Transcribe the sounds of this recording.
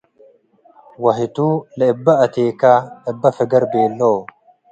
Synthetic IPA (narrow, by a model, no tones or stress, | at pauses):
wɐɦɪt̪uːlɐɪbːɐɐt̪eːkaːɛbːɐfɛɡɐɾbeːlːoː